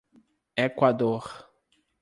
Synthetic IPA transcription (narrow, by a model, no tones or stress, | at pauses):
ekwad̪oɾ